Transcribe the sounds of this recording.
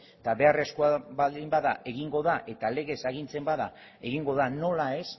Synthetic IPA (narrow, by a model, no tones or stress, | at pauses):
t̪aβe̞are̞skoabaimbaðaʔe̞ɣ̞iŋɡo̞ðaʔe̞t̪ale̞ɣe̞saɣ̞int͡se̞mbaða | e̞ɣiŋɡo̞ðano̞lae̞s